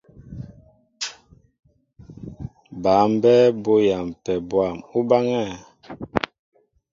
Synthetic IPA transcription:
ba˨˦m˦bɛ˦bo˦ja˨mpɛ˨bwa˨mu˦ba˦ŋa˦˨

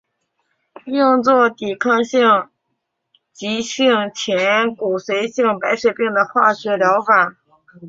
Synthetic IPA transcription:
jʊ˥˧ŋt͡swɔ˥˩t̪i˨˩kʰɑ˥˧ŋɕi˥˩ŋ | t͡ɕi˧˥ɕi˥˩ŋt͡ɕʰjɛ˧˥nku˨˩swe˧˥ɪɕi˥˩ŋpa˧˥ɪʂwe˨˩ɪpi˥˩ŋd̪ə˩xwa˥˩ɕɥɛ˧˥ljɑ˧˥ʊfa˨˩˦

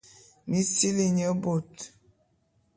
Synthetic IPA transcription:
mi˦si˦li˨ɲə˦bo˨t

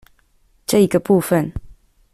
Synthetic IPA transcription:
ʈ͡ʂɤ˥˩i˧˦ɡə˧pu˥˨fə˨n

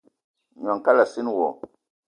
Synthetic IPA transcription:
ɲ˨a˨ŋka˦la˨si˦n˦wɔ˨

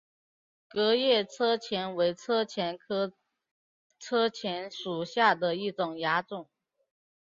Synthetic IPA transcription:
kɤ˧˥jɛ˥˩t͡sʰɤ˥t͡ɕʰjɛ˧˥nwe˧˥ɪt͡sʰɤ˥t͡ɕʰjɛ˧˥nkʰɤ˥ | t͡sʰɤ˥t͡ɕʰjɛ˧˥nʂu˨˩ɕja˥˩d̪ə˩i˥˩ʈ͡ʂʊ˨˩ŋja˧˥ʈ͡ʂʊ˨˩˦ŋ

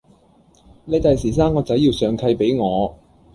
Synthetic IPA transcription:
ne˨˧jt̪ɐ˨jsiː˨˩s̬aː˥mkɔː˧t͡sɐ˨˥jːiː˧wsœː˨˧ŋkʰɐ˧jpe˨˥jŋɔː˨˧

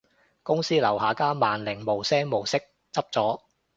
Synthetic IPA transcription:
kʊ˥ŋsiː˥lɐ˨˩wɦaː˨kaː˥maː˨nlɪ˨˩ŋmo˨˩wsɛː˥ŋmo˨˩wsɪ˥k̚ | t͡sɐ˥p̚t͡sɔː˨˥

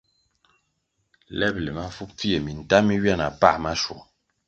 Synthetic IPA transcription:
lɛ˦blɛ˨ma˦fu˦p͡fi˦e˨mi˨n˨ta˦mi˦ɥja˦na˨pa̰˦˨ma˦ʃwɔ̰˨

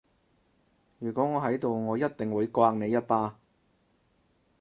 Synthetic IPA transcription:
jyː˨˩kʷɔː˨˥ŋɔː˨˧ɦɐ˨˥jt̪o˨wŋɔː˨˧jɐ˥t̚t̪ɪ˨˩ŋwuː˨˧jkʷaː˧ŋne˨˧jɐ˥t̚paː˧˥

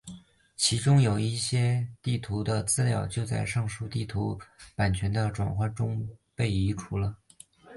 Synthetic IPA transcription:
t͡ɕʰi˧˥ʈ͡ʂʊ˥ŋjo˨˩ʊi˥˩ɕjɛ˥t̪i˥˩t̪ʰu˧˥d̪ə˧t͡sɹ̩˥ljɑ˥˩ʊt͡ɕjo˥˧ʊt͡sa˥˧ɪʂɤ˥˧ŋʂu˥t̪i˥˩t̪ʰu˧˥pa˨˩nt͡ɕʰɥɛ˧˥nd̪ə˧ʈ͡ʂwa̰˨˩nxwa˥˩nʈ͡ʂʊ˥ŋpe˥˩ɪi˧˥ʈ͡ʂʰu˧˥lə˧

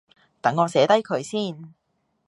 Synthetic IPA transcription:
t̪ɐ˨˥ŋːɔː˨˧sɛː˨˥t̪ɐ˥jkʰɵ˨˧ɥsiː˥˩n

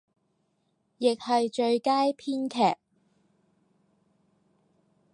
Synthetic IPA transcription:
jɪ˨k̚hɐ˨jt͡ʃɵ˧ɥkaː˥jpʰiː˥nkʰɛː˨˩k̚

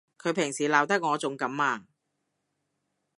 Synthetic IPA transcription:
kʰɵ˨˧ɥpʰɪ˨˩ŋsiː˨˩laː˨˩wt̪ɐ˥k̚ŋɔː˨˧t͡sʊ˨˧ŋkɐ˨˥mːaː˧

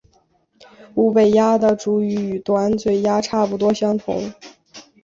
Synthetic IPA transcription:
u˧˥˩pe˨˩ɪja˥d̪ə˨ʈ͡ʂu˨˥y˧˥y˨˩t̪wa˧˥nt͡swe˥˩ɪja˥ʈ͡ʂʰa˥˩pu˨˩t̪wɔ˥ɕjɑ˥ŋt̪ʰʊ̰˧˥˦ŋ

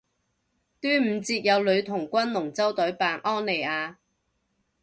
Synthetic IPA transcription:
t̪yː˥m̩ː˨˧t͡siː˧t̚jɐ˨˧wlɵ˨˧ɥt̪ʰʊ˨˩ŋkʷɐ˥nlʊ˨˩ŋt͡sɐ˥wt̪ɵ˨˥ɥpaː˨˧nʔɔː˥nle˨˩jaː˨˧

